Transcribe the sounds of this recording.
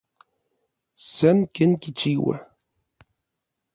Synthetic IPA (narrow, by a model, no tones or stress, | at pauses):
sænkənkit͡ʃːiwæ̰